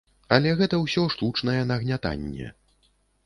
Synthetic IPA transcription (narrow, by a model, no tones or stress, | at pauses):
ɐlʲɛɣɛt̪ɐwsʲɔʂt̪ut͡ʂnɐjɛnɐɣnʲat̪a̰nʲːɛ̰